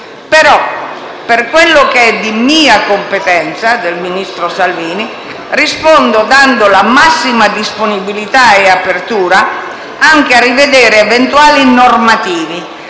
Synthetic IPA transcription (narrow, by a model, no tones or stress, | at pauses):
pɛɾɔ | pːerkwelːʊkeɛd̪imiːakompet̪ɛnt̪sad̪elminist̪ɾosalviːni | rispond̪ʊd̪and̪ʊlamasːimad̪isponibilit̪aɛapert̪uːɾa | aŋkearːived̪ɛːɾeɛvɛnt̪uaːlinormat̪iːvi